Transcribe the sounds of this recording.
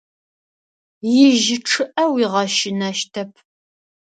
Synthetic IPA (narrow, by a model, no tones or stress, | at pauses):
jɪʒɪʈ͡ʂʰɨʔɐwiːʁɐʃɪnɐʃtʰɐp̚ʰ